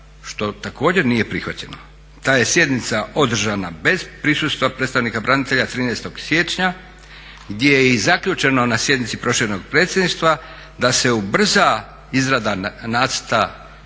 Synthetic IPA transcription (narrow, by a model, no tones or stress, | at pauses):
ʃt̪o̞t̪ako̞ːd͡ʑe̞ɾnije̞pɾixʋat͡ɕe̞no | t̪aːje̞sje̞d̪nit̪saʔo̞d̪r̩ʒanabe̞zpɾisust̪ʋapɾe̞t̪aʋnikabɾʔanit̪e̞ʎat̪ɾiːnɛːst̪o̞ɡ̥sje̞t͡ʃɲa | ɡd̪jejjeizakʎʲut͡ʃe̞no̞nasje̞d̪nit̪ipɾo̞ʃino̞ɡ̚pɾe̞ːt̪sjed̪niʃt̪ʋa | d̪ase̞ubr̩za | izɾad̪anaːt̪st̪a